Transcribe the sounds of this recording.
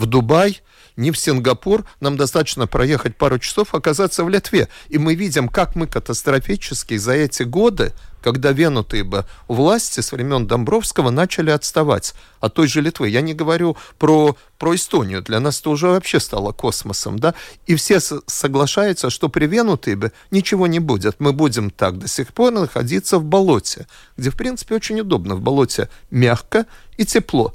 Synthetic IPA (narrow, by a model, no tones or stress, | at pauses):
vd̪ʊbaj | nʲɪfsʲɪnɡɐpurnamd̪ɐst̪at̪ə̥t͡ɕnəpɾʔɐje̞xət̚ʲpaɾʊt͡ɕɪ̥so̞fɐkɐzat̪sːəvlʲɪt̪vʲe̞imɨvʲidʲɪmkakmɨkət̪əst̪ɾɐfʲit͡ɕɪskʲɪzɐɛtʲɪɡo̞d̪ɨ̰kɐɡd̪avʲe̞nʊt̪ɨjəbɨʊvlˠasʲtʲɪsəvɾʲɪmʲo̞nd̪ɐmbɾo̞fskəvənat͡ɕɪlʲɪɐt̪st̪ɐva̰tʲ | ɐt̪ːo̞jʐɨlʲɪt̪vɨjanʲɪɡəvɐɾʲupɾo | pɾoɪst̪o̞nʲɪjʊd̪lʲɐnasɛ̥t̪əʊʐɛvɐpɕːe̞st̪a̰lˠəko̞sməsə̰md̪aifsʲe̞ssəɡlˠɐʂajʊt̪səʂt̪o̞pɾʲɪvʲenʊt̪ɨjɪbɨ | nʲɪt͡ɕɪvo̞nʲɪbudʲɪt̪mɨbudʲɪmt̪ak̚d̪əsʲɪxpo̞rnəxɐ̰dʲit̪sːəvbɐlˠo̞tʲɪ | ɡ̥dʲefpɾʲint̪sɨ̥pʲɪot͡ɕɪnʲʊd̪o̞bnəvbɐlˠo̞tʲɪ̰mʲaxkəitʲɪplˠo̞̰